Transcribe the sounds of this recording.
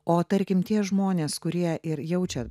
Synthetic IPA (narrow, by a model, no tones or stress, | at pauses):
oːt̪ɐɾʲkʲɪmt̪ʲiɛʒmoːnʲeːskʊɾʲiɛʔɪɾjɛʊt͡ʃʲɛ